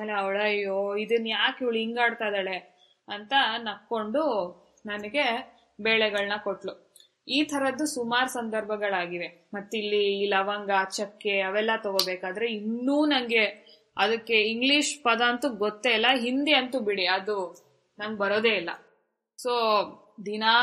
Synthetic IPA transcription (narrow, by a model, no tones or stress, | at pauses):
eleɐwɭɐjːoːid̪ɐnːjaːkiʋɭiŋɡaːɖt̪ajd̪aːɭe̞ | ɐnt̪ɐnɐkːo̞ɳɖu | nɐnɐɡe̞ | beːɭɛɡɐɭnɐkoʈlu | iːt̪ʰɐɾɐd̪ːusumaːɾusɐnd̪ʱɐɾbʱɐɡɐɭaːɡiʋe̞ | mɐt̪ːilːiːlɐʋɐŋɡɐɐt͡ʃːɐkːeɐʋɛlːɐt̪oɡobeːkaːd̪ɐɾe̞inːuːnɐŋɡe̞ | ɐd̪ɐkːe̞iŋɡliʂpɐd̪aːnt̪uɡot̪ːeilːɐɦind̪iɐnt̪ubiɽiɐd̪u | nɐŋɡbɐɾoːd̪eːilːɐ̰ | soː | d̪inaː